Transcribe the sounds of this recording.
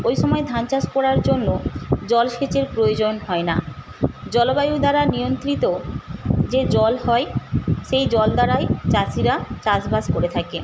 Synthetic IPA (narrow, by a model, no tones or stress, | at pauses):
ojʃɔmɔed̪ʱant͡ɕaskɔɽaɾd͡ʑonːod͡ʑɔlʃet͡ɕeɾpɾojod͡ʑonhɔena̰ | d͡ʑɔlobajud̪aɾanijont̪ɾit̪o | d͡ʑed͡ʑɔlhɔeʃejd͡ʑɔld̪aɾajt͡ɕasiɾat͡ɕasbaskoɾet̪ʰake